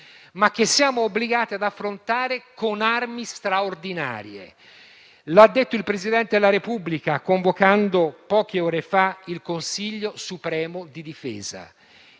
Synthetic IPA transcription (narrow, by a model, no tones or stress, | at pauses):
mak̟ːesːjaːmoːbːliɡaːt̪iad̪afːɾont̪aːɾekonarmist̪ɾaord̪ina̰ːɾjḛ | lad̪ːet̪ːoilpɾezid̪ɛnt̪ed̪elaɾepubːlikakoɱvokand̪opɔːk̟eɔːɾefailkonsiʎːosupɾɛːmod̪id̪ifɛ̰ːza̰